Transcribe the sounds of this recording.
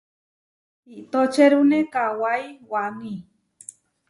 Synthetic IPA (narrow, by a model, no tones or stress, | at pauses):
it̪ot͡ʃeɾunekawajwanĩ